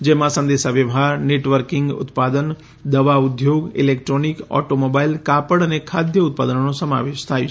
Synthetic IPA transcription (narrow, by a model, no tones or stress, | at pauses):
d͡ʒemãsə̃nd̪eʃaʋjəʋɦaɾneʈʋəɾkɪŋɡʊ̰t̪pad̪ən | d̪əʋaʊd̪ʱjoɡḭlekʈɾonikɔ̰ʈomobailkapəɽənekʰad̪ʱjəʊt̪̚pad̪ənnũsəma̰ʋeʃt̪ʰajũ